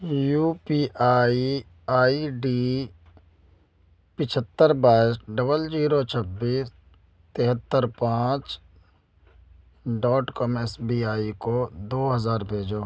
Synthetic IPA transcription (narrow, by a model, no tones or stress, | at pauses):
juːpiːaːi | aːiɖiː | pɪt͡ʃʰət̪ːəɾbaːɪsɖəbəld͡ʒiːɾot͡ʃʰəbːiːs | t̪eɦət̪ːəɾpãːt͡ʃ | ɖɔːʈkɔːmɛːsbiːaːikod̪oːɦɐzaːɾbʱeːd͡ʒoː